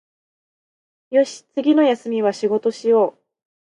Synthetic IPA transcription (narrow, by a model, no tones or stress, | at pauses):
jo̞ɕi̥t͡sɨɡʲino̞jasɨmʲiβ̞aɕiɡo̞t̪o̞ɕijo̞ː